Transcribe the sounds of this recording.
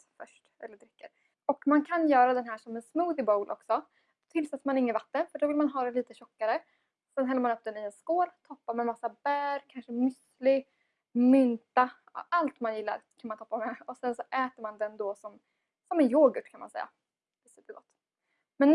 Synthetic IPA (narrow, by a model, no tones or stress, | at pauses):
fœʂʈʔɛ̰lːəɖɾɪkːə̰ɾ | ɔkmankʰanjœːɾad̪ɛnɦæːʂɔmɛnsmuːðɪbowlʔɔ̰ksɔ | t̪ʰɪlsat̪ːmanɪŋːənvat̪ːənfœɖɔvɪlmanɦɑːɾɛliːt̪əɕɔkːaɾə | sɛnɦɛlːəmanɵp̚ːd̪ɛnɪɛnskoːlt̪ʰɔpːamɛmasːabæːɾkʰanʂəmʏs | lɪ | mʏnt̪a | alt̪manjɪlːa̰ɾkʰanmant̪ɔpːamɛɔsɛnsɔʔɛːt̪əɾmand̪ɛnd̪ɔsɔm | sɔmɛnjoːɡəʈkʰanma̰nsɛ̰jːa̰ | vɪsʉːpəɡɔt̪ː | mɛn